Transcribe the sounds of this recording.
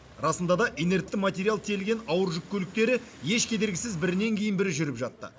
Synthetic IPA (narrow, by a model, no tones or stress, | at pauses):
ɾɑsənd̪ɑd̪ɑʔine̞ɾt̚t̪ːɪmat̪ʲe̞ɾʲijalˠt̪ʰelɡʲe̞nɑwəɾʒʏk̚ʲkʲʰːɵlɪk̚t̪e̞ɾɪje̞ʃkʲʰe̞d̪e̞ɾɡʲɪsɪzbɪɾɪne̞ŋkʲʰe̞jɪnbɪɾɪʒʏɾɪpʒɑt̪ːə̰